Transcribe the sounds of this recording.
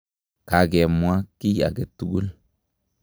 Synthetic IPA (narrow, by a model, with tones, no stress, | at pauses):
ka˨ɡe˨mwa˦kːi˦ja̰˨ɡe˨t̪ːu˦ɡu˦l